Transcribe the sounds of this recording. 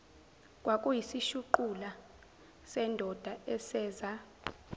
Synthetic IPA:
kʼwakʼujisiʃuǃula | sɛndʱɔd̥ʱaɛsɛːza

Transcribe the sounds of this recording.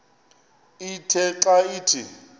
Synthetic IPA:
itʰɛǁaiːtʰi

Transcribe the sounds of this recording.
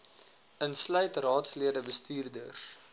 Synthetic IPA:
ənslœɥtrɑːtsliədəbəstiːrdə̰rs

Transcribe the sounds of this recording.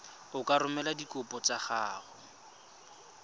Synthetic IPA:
ʊkʼaɾʊmɛladikʼʊpʼɔt͡saχaːχʊ

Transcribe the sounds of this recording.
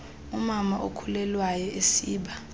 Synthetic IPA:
umamaʔokʰulɛlwajɔesiːɓa

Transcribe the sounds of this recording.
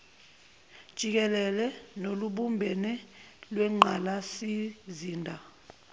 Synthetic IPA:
d̥ʒ̥ʱik̬ɛlɛlɛnoluɓumbʱɛnɛlwɛŋ͡ǃʱalasiziːndʱa

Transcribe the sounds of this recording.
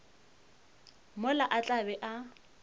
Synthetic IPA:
mʊlaʔat͡ɬʼabɛʔa

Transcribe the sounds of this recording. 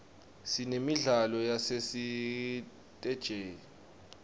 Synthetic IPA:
sinemiɮalɔjasesi | tʼɛd̥ʒ̥ʱeːji

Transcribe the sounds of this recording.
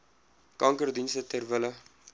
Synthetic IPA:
kɐŋkərdinstətɛrvələ

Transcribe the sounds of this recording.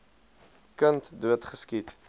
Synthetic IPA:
kəntduətχəskit

